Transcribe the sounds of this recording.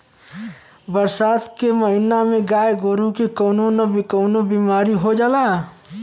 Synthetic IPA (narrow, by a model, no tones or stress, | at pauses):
bəɾsaːt̪keməɦɪnamẽɡaːjeɡoːɾũkikənunɔbʱikəːnobiːmaːɾiɦod͡ʒaːlaː